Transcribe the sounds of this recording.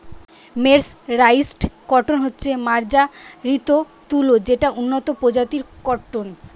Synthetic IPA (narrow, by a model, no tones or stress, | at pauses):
meɾsɾajsʈkɔʈonɦotːɕʰemaɾd͡ʑaɾit̪o | t̪ulod͡ʑeʈaʔunːot̪opod͡ʑat̪iɾkɔʈːon